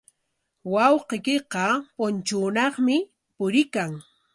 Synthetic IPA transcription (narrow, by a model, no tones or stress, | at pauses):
wɑwqekɪqɑpʊnt͡ʃʊːnɑχmɪ | pʊɾɪkaŋ